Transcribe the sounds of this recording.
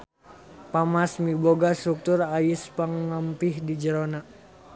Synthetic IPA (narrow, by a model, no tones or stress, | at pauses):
pamasmiboɡast̪ɾuk̚t̪urajɪspaŋːampihdid͡ʒəɾona